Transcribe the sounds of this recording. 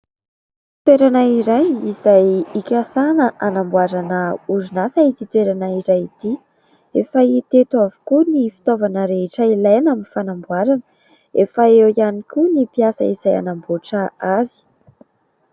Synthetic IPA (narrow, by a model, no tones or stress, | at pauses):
t̪weɾanaiɾajizajikʲasanəʔanambuaɾanəuɾunasait̪it̪weɾanaiɾajit̪i | efəit̪et̪uavu̥kunifi̥t̪ovanəɾeɦʈ͡ʂəilajnaminifanambuaɾanə̥ | efaewianikʲunipiasə̰iz̥aja̰namboʈ͡ʂəazi̥